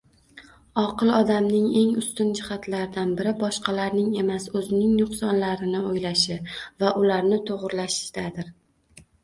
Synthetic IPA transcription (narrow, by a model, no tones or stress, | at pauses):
ɒqɨlˠɒd̪amnɪŋe̞ŋʊst̪ʊnd͡ʒɪχat̪laɾɪd̪anbɪɾɪbɒʃqɑlaɾnɪŋe̞masɵzɪnɪŋnʊqsɒnlaɾɪnɪojlaʃɪvaʔʊlaɾnɪt̪ʰoʁɾlaʃɪ̥ʃd̪̥ad̪ɪɾ